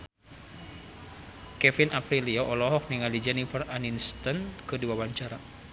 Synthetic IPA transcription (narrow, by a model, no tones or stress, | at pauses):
kɛfinʔapɾiliɔʔɔlɔɦɔk̚niŋalid͡ʒɛnifəraninst̪ənkɨdiwawaɲt͡ʃaɾa